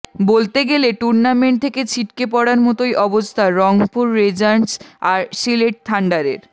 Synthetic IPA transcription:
bolt̪eɡeleʈuɾnameɳʈ̚t̪ʰeket͡ɕʰiʈkepɔɽaɾmɔt̪ojʔɔbost̪ʰaɾɔŋpuɾːed͡ʑaɳsaɾsileʈ̚t̪ʰaɳɖaɾḛɾ

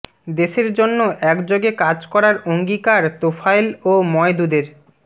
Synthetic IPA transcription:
d̪eʃeɾd͡ʑonːoʔɛkd͡ʑoɡekad͡ʑkɔɾaɾoŋɡikaɾt̪ofajlomɔed̪ud̪eɾ

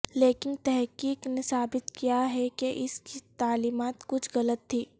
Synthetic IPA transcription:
leːkɪnt̪ɛɦkiːknesaːbɪt̪kijaɦɛkeʔɪskit̪aːliːmaːt̪kʊt͡ʃʰɣɐlət̪ʰːiː

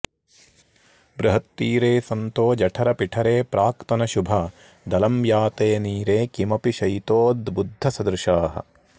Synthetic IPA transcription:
bɾɐɦɐt̪ːiːɾeːsɐnt̪oːd͡ʒɐʈʰɐɾɐpiʈʰɐɾeːpɾaːkt̪ɐnɐʃubʱɐ | d̪ɐlɐmjaːt̪eːniːɾeːkimɐpiʃɐjt̪oːd̪bud̪ʱːɐsɐd̪ɾʃaːɦɐ̰

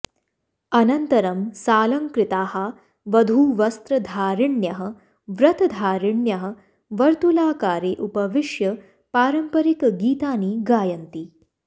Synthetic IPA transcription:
ɐnɐnt̪ɐɾɐmsaːlɐŋkɾɪt̪aːhɐ | ʋɐd̪ʱuːʋɐst̪ɾɐd̪ʱaːɾiɳjɐɦɐ̆ | ʋɾɐt̪ɐd̪ʱaːɾiɳjɐɦɐ̆ | ʋɐɾt̪ulaːkaːɾeːʔupɐʋiʂjɐ | paːɾɐmpɐɾikɡiːt̪aːniːɡaːjɐnt̪iː

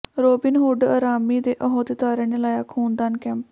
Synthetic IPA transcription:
ɾoːbɪnɦʊɖa̰ːɾaːmiːd̪eːʔɔɦõt̪ɪt̪aːɾeːnelaːjaːkʰuːnd̪aːnkɛːmp

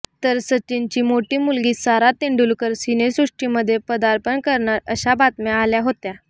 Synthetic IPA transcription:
t̪əɾsət͡ɕːint͡ɕiːmoʈiːmulɡiːsaɾat̪iɳɖulkəɾsinesɾuʂʈiːməd̪ʱːjepəd̪aɾpəɳkəɾɳaɾəɕabat̪mealjaɦot̪ja

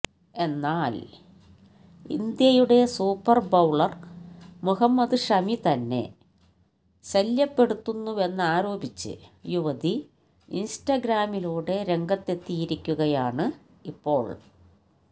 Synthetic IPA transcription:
e̞nːaːl | ḭnd̪jɐjuɽe̞suːpːɐrbɐwɭɐrmuɦɐmːɐd̪ɨʂɐmit̪ɐnːe̞̰ | ɕɐljɐpːe̞ɽut̪ːunːue̞nːɨaːɾo̞ːbit͡ɕːɨ̰juʋɐd̪i | insʈɐɡɾaːmiluːɽe̞ɾe̞ŋɡɐt̪ːe̞t̪ːijiɾikʲːuɣɐjaːɳɨ | ipːo̞ːɭ

